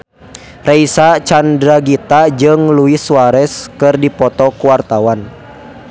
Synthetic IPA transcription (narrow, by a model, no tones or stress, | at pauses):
rɛisat͡ʃandɾaɡit̪ad͡ʒɨŋluisuaɾɛskɨrdipɔt̪ɔkuwart̪awan